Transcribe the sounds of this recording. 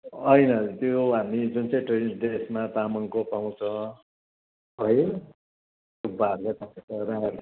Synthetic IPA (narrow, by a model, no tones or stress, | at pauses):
ʌjnʌt̪joɦamid͡zunt͡sʌj̃ʈreisdesmat̪amʌŋkopaw̃t͡sʰʌ̃ | ɦʌj | obaɾɡʌt̪atʌɾaɾ